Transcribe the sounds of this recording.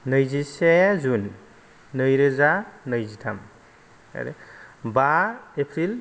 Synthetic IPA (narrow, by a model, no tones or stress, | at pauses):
nɯjziseazunː | ɯjɾɯzanɯjzitʰam | a̰ɾebaepʰɾil